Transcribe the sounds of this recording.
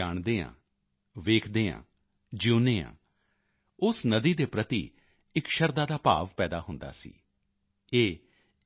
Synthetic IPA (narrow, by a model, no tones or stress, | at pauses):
aːɳd̪eːã̰ː | ʋeːkʰd̪eːã̰ː | d͡ʒuːneːã̰ː | ʊsnəd̪iːd̪eːpɾət̪ḭː | ɪkʃəɾd̪aːd̪aːpa̰ːʋpɛːd̪a̰ːɦʊnd̪a̰ːsḭː | eː